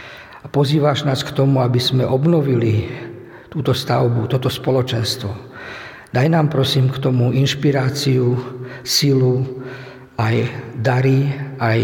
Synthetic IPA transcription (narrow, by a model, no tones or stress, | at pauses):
apɔziːʋaʒnaːskt̪ɔmuabizmɛʔɔbnɔʋili | t̪uːt̪ɔst̪aʊbut̪ɔt̪ɔspɔlɔt͡ʃɛnst̪ʋɔ | d̪ajnaːmpɾɔsiːmkt̪ɔmuʔinʃpiɾaːt͡siusilu | ajd̪aɾiaj